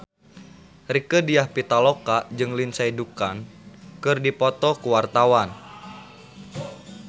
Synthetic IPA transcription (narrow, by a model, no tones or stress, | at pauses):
rikədiahpit̪alɔkad͡ʒɨŋlinsaidukankɨrdipɔt̪ɔkuwart̪awan